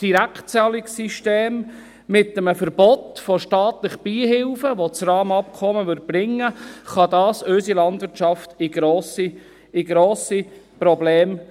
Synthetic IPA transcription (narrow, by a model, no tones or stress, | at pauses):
d̥iɾæktt͡sɛlɪksiʃteːmː | ɪtːəməfəɾb̥ɔtfoʃtɑːt̪ləχb̥iːhɪlfəʋot͡srɑːmɑp̚kʰɔməʋʏɾd̚b̥ɾɪŋːəχɑd̪ɑːsɵsilɑndvɪɾtt͡ʃɑftɪɡ̥ɾoːsi | ɪɡɾoːsipɾɔbleːm